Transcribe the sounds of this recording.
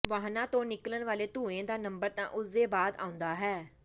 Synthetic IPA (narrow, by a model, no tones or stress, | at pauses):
ʋaːɦnãːt̪õːnɪklənʋaːleːt̪ũːẽːd̪aːnəmbəɾt̪ã̰ːʔʊsd̪eːbaːd̪a̰ːʊ̃nd̪aːɦɛː